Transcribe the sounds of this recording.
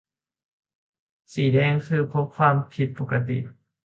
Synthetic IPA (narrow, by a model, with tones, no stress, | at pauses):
siː˨˩dɛː˧ŋkʰɯː˧pʰo˧˦˥p̚kʰwaː˧mkʰi˧˥t̪̚po˨˩ka˧t̪ḭ˨˩